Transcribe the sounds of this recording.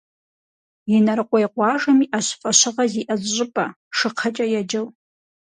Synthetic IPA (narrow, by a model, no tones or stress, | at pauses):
inarqʷʼajqʷʼaʐamiʔaʃʷfʼaʃʷɨʁaziʔazʒʷʼʊpʼa | ʂɨqʰat͡ʃʼajad͡ʒɪl